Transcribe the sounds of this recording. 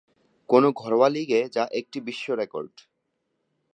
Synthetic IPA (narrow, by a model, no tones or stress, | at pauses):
konoɡʱɔɾwaliɡed͡ʑaʔek̚ʈibiʃːoɾeko̰ɾɖ